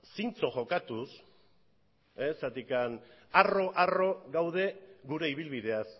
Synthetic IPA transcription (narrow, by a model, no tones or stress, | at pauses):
sint͡so̞ʝo̞kat̪us | esat̪ikanaro̞ʔaro̞ɣawð̞e̞ɡuɾe̞iβ̞ilβið̞e̞as